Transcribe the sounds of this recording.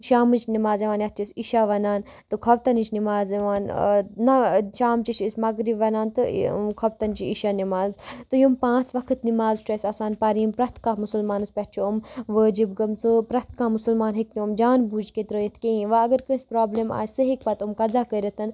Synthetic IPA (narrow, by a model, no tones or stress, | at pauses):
ʃaːmɨt͡ʃnimaːzeʋaːnjɐt̪̚ʰt͡ʃisiʃaʋɐnaːnt̪ɨkʰɐb̚t̪ɐnit͡ʃʰnimaːzeʋaːnnɐʃaːmt͡ʃit͡ʃʰismɐɡɾibʋɐnaːnt̪ɨkʰɐb̚t̪ɐnt͡ʃiiʃanimaːzt̪ɨjumpãːt͡sʰʋɐkʰɨt̪nimaːzʈɾesɐsaːnpɐɾiːmpɾɐt̪ʰkamusəlmaːnɨspʲɐtt͡ʃʰoumʋəːd͡ʒibɡɐmt͡sɨpɾɐt̪ʰkaːmusulmaːnɦiknʲomd͡ʒaːnbuːd͡ʒket̪ɾəjɐt̪ʰkejĩʋaɐɡɐɾkɐ̃sʲpɾaːblema̰ːjsɨɦik̚pɐt̪umkɐzakəɾɐt̪ʰɐn